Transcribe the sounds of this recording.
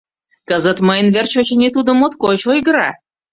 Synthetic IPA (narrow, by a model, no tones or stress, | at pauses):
kəzət̪məjnvʲert͡ɕot͡ɕenʲit̪ud̪ə̆mot̪kot͡ɕoiɡɾa̰